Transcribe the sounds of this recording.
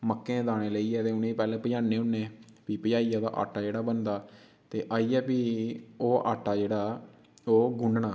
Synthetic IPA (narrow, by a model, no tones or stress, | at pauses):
məkːẽːd̪aːɽ̃eːləiːɛːt̪eːʊnẽːpɛːlẽːpəjãːneːʊnːẽː | piːpəd͡ʒaːiːɛːd̪a̰ːʔa̰ːʈːaːd͡ʒeːɽaːbənd̪aː | t̪eːʔaːiːɛːpiːoːʔa̰ːʈːaːd͡ʒeːɽaː | oːɡʊɳɖɳaː